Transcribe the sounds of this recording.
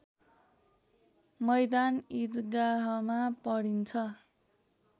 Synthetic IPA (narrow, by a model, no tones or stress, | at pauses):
mʌjd̪anit̪ɡaɦʌmapʌɽint͡sʰʌ